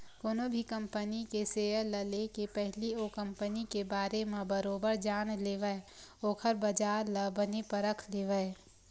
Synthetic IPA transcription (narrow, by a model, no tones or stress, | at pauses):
koːnobʱikə̃mpənikeseːələlekepɛɦlioːkə̃mpənikebaːɾemẽbəɾoːbəɾd͡ʒaːnleːʋəe | oːkʰəɾbəd͡ʒaːɾləbənepəɾəkʰleːʋəe